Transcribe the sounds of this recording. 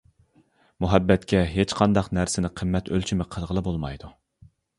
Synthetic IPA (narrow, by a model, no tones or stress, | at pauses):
muɦɛbːɛt̪kʲʰɛɦet͡ʃqʰɑnd̪ɑqnæɾsɪnɪqʰəmːɛt̪ʰølt͡ʃʰimɪqʰəlˠʁəlˠɨbolˠmɑ̰jd̪u